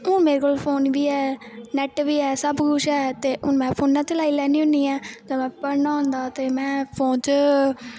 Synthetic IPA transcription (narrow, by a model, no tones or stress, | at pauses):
õːmeːɾeːkoːlpʰoːnʋiːɛːnɛʈʋiːɛːsəbɡʊʃɛːt̪eːʔʊnmɛ̃ːpʰoːnːãːt͡ʃəlaːiːlɛːniːɦʊ̃niːɛːd͡ʒoːmɛ̃ːpəɾnaːɦʊ̃nd̪aːt̪eːmɛ̃ːpʰoːnt͡ʃ